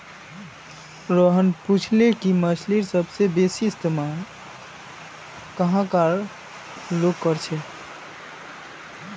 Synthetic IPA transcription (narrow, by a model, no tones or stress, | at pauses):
ɾəɦənput͡ʃʰlekiməsʰliɾsəbsebesist̪ma | kəɦãkaɾ | loɡkəɾt͡ʃʰɛ